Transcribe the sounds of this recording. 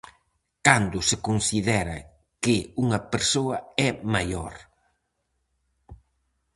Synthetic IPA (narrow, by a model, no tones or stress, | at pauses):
kand̪ʊsɪkonsiðɛɾɐ̰ | kɪuŋɐpeɾsoɐɛmajoɾ